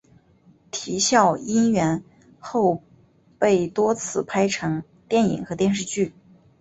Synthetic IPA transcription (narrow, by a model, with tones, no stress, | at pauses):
t̪ʰi˧˥ɕjɑ˥˩ʊi˥nɥɛ˧˥n | xo˥˧ʊ | pe˥˩ɪt̪wɔ˥t͡sʰɹ̩˥˩pʰa˥ɪʈ͡ʂʰɤ˧˥ŋ | t̪jɛ˥˩nḭ˨˩ŋxɤ˧˥t̪jɛ˥˧nʂ̬ɻ̩˥˧t͡ɕy˥˩